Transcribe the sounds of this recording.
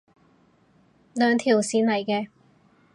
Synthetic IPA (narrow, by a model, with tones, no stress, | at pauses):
lœː˨˧ŋt̪ʰiː˨˩wsiː˨˧nlɐ˨˩jkɛː˧